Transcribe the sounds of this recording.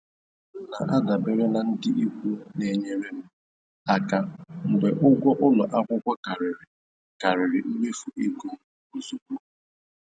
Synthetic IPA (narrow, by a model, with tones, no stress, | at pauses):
na˨ʔa˦da˨be˨ɾe˦na˨n̩˦dɪ˦ʔi˦kʷu˦ne˨ɲe˦ɾe˦m̩˦ | a˨ka˨ŋ͡m̩˨ɡ͡be˨ʔʊ˦ɡʷɔ˦ʔʊ˦lɔ˨ʔa˦ɡʷʊ˦kʷa˦ka˨ɾɪ˨ɾɪ˨ | ka˨ɾɪ˨ɾɪ˨m̩˦me˦fu˨ʔi˦ɡu˦ | o˨zu˨bu˦